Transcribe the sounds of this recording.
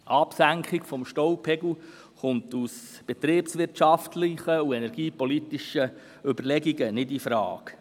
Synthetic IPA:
ʔɑpsæŋkχikfɔmʃtɔwpʰɛɡu | χʊntus | b̥ɛtɾiːpsʋɪrtʃɑftlɪχəuɛnɛɾɡ̥iːpɔlit̪iʃə | ʏbəɾlɛɡiɡənɪdifɾɑ̰ːk

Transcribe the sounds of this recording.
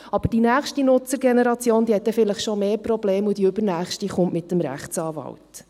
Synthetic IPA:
ɑb̥əd̥inæːχʃtinʊt͡səɾɡɛnɛɾɑt͡sjoːnd̪iːhɛt̚d̪ɛfɪləχʃomeːprɔbleːmud̥̪iɵbəɾnæːχʃtiχʊntmɪt̪ːəmɾæ̰χtsɑːvɑ̰wt

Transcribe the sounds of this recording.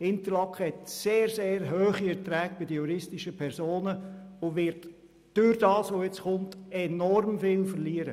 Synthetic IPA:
ɪnt̪əɾlɑkχəhɛtseːɾzeːɾɦøːχiɛtɾɛːɡ̚b̥ɪdəjuɾɪstɪʃəpʰɛɾsoːnəʊʋɪɾt | d̥yɾdɑːsʋojɪt͡sχʊntɛnɔrmfɪːlfəɾliːəɾə

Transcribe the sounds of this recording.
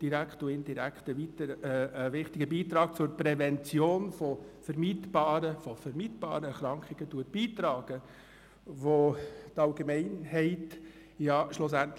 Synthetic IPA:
d̥iɾækχtuɪnd̥iɾækχtəʋitəəəʋɪχtɪɡəbiːtɾɑːk̚t͡sʊɾpɾɛvɛnt͡sjoːnfɔfɛrmiːtb̥ɑːɾəfɔfɛɾmiːtb̥ɑ̰ːɾəɛɾχɾɑŋkχɪɡ̥ətuət̚b̥iːtɾɑːɡ̥ə | ʋotɑlɡemɛɪnhɛɪt | jɑʃlʊs̬ænt

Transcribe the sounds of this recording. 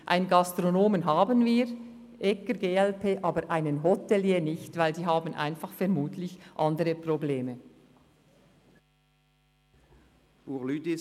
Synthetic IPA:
ʔa̰ɪnɡɑstʁonoːmənɦaːbənviːʁ | ʔɛkəɡeːɛlpʰeːʔɑːbəɾʔaɪnənɦotɛljeːnɪçtv̥aɪldiːɦaːbn̩ʔa̰ɪnfɑχfɛɐmuːtʰlɪçʔɑndəɾəprobleːmə | uːʁlyːd̪i

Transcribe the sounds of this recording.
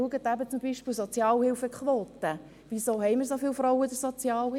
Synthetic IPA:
uəɡətæbət͡sumbiʃpɪːlsot͡sjɑːlhɪlfəkχʋoːt̪ə | ʋizoːɦɛjməɾsofɪlfɾɔwəyd̥əɾsot͡sjɑːlh

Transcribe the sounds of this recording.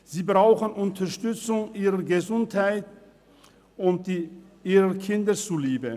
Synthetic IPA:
z̥iːbʁaʊxənʔʊntʰɐʃtʏt͡sʊŋʔiːʁɐɡəzʊnthaɪt | ʊnt̚d̥i | iːʁɐkʰɪndət͡suliːbə

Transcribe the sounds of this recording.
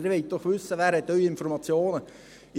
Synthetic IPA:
eɾʋɛɪt̪̚d̥̪ɔχʋʉsəʋæːɾhɛt̪ːœʏɪnfɔɾmɑt͡sjoːnə

